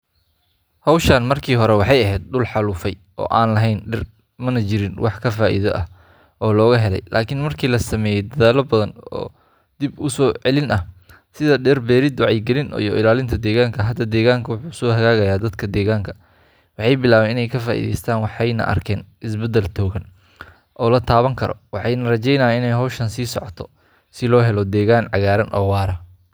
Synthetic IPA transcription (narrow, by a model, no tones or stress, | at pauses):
hɐwʃaːnmɐrkʰiːɦɔɾɛwɑħɑjɐɦɛːd̪̚ɖʊlħɑluːfɛjʔɔ̰ːʔaːnlɐɦɛjnɖɪr | mɐnɐt͡ʃɪɾɪnwɑħkʰɐfaːʔḭðɔ̰ʔɐ | ʔɔːlɔːɣɐɦɛlɛ̰jlʔaːkʰɪnmɐrkʰiːlɐsɐmɛːjɛjd̪ɐðaːlɐbɐðɐnɔ̰ː | d̪̥ɪbʊsɔːʕɛlɪnɐh | sɪðɐɖɛrbɛːɾɪd̪ʊʕɑjɡɛlɪnijɔʔɪlaːlɪnt̪ʰɐd̪ɛːɣaːŋkʰɐɦɐd̪ɐd̪ɛːɣaːŋkʰɐwʊħuːsɔːhɐɣaːɣɐjaːd̪ɐd̪kʰɐd̪ɛːɣaːŋkʰɐ | wɑħɑjbɪlaːβɛːnɪnɛjkʰɐfaːʔḭːðɛ̰jst̪ʰaːnwɑħɑjnɐ̰ʔɐ̰rkʰɛːnʔɪsbɛd̪ɛlt̪ʰɔːɣɐn | ʔɔːlɐt̪ʰaːβɐŋkʰɐɾɔ̰wɑħɑjnɐrɐt͡ʃɛjnɐːjaɪnɛjɦɔwʃɐnsiːsɔ̰ʕɔt̪ʰɔ̥ | sɪlɔːɦɛlɔd̪ɛːɣaːnʕɑɣaːɾɐnʔɔ̰ːwaːɾɐ